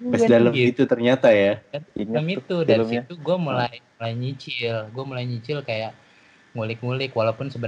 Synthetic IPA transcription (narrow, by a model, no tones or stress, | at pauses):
madalmaiit̪ut̪ərɲat̪ajaadalamit̪udaɾsit̪uɡuamulajmulajɲit͡ʃɪlɡuamulajɲit͡ʃɪlkajaʔ | ŋulɪkŋulɪkwalawpʊnsəbəɾ